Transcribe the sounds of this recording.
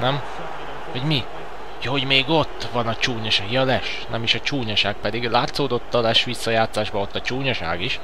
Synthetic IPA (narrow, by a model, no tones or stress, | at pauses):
nɛm | hoɟmi | jɒɦo̞ɟmeːɡo̞t̪ːʋɒnɒt͡ʃuːɲɒʃaːɡjɒlɛʃ | nɛmiʃɒt͡ʃuːɲɒʃaːk̚pɛd̪iɡlaːt̪soːd̪o̞t̪ːɒlɛʃʋisːɒjaːt̪saːʒbɒo̞t̪ːɒt͡ʃuːɲɒʃa̰ːɡiʃ